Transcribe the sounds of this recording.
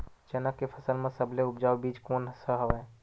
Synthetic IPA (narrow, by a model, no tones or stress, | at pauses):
d͡ʒənəkːepʰəsəlmẽsəbʱleʊpd͡ʒaːwbiːd͡ʒkoːnsəɦəʋɛ